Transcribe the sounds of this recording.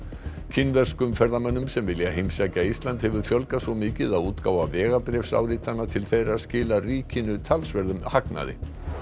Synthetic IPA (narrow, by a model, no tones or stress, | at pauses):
cʰɪnːvɛr̥skʏmfɛɾðamanːʏmsɛmvɪljaɦejmsacaist̪lant̪hɛvʏɾ̥fjœlkasvɔmɪːcɪðaðuːt̪kaːwavɛːɣapɾɛfsa̰ːwɾit̪anːat̪ʰɪlθejɾaðscɪːlariːcɪnʏt̪ʰalsvɛɾðʏmhakna̰ðɪ̰